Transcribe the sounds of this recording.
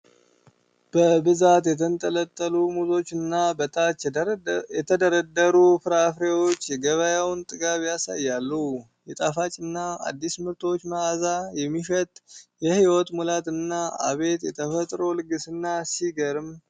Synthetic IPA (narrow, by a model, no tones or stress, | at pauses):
b̥əbɨzat̪jɛt̪ʰənt̪ʼələt̪ʼːəlumuzo̞t͡ʃːɨnːabət̪ʰat͡ʃːjɛt̪ʰəd̪əɾəd̪ːəɾufɨɾafɾewo̞t͡ʃːjɛɡəβəjawnt̪ʼɨɡaβjasa̰jːalːu | jɛt̪ʼafat͡ʃʼɨnːaa̰d̪ːismɨɾt̪ʰo̞t͡ʃːməazajɛmːiʃɛt̪ʼjɛhiwɔt̪mulat̪ɨnːaa̰βe̞t̪jɛ̰t̪ʰəfət̪ʼɾo̞lɨɡɨsɨnːasiɡəɾɨm